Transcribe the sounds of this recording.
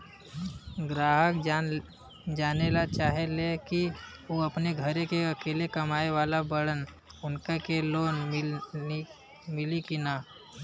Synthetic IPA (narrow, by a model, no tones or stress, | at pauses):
ɡɾaːɦək | d͡ʒaːnelat͡ʃaːɦeleki | oːɐpneɡʱəɾekeɐkeːlekɐmaːeʋaːlabɐɽən | ʊnkekeloːn | mɪlikinaː